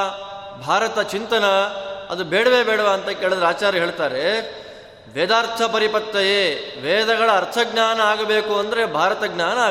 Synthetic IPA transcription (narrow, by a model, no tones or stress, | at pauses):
bʱaːɾɐt̪ɐt͡ʃint̪ɐnɐɐ̰d̪ubeːɽɐʋeːbeːɽɐʋɐːnt̪ɐkeːɭɐd̪ɐɾaːt͡ʃaːɾɐɦeːɭt̪aːɾe | ʋɛːd̪aːɾt̪ʰɐpɐɾipɐt̪ːɐjeːʋɛːd̪ɐɡɐɭɐːɾt̪ʰɐɡnaːnɐaːɡɐbeːkuɐnd̪ɐɾebʱaːɾɐt̪ɐɡnaːnɐː